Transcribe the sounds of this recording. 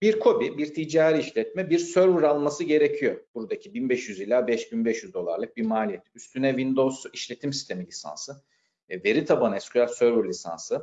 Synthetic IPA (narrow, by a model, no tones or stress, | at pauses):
biɾkʰo̞bibiɾt̪ʰid͡ʒaːɾiiʃlʲɛt̪̚mɛbiɾsøɾvuɾalˠmasɯɟe̞ɾe̞cʰijo̞b̥uɾd̪acʰibinbɛʃjyzilʲaːbɛʃbinbɛʃjyzd̪o̞lˠa̰ɾlˠɯk̚biɾmaːlʲijɛt̪yst̪ʰynɛvind̪o̞wziʃlʲe̞t̪ʰimsi̥st̪ʰe̞milʲisa̰nsɯ | ve̞ɾit̪ʰabanɛskʰyjasøɾvuɾlʲisa̰nsɯ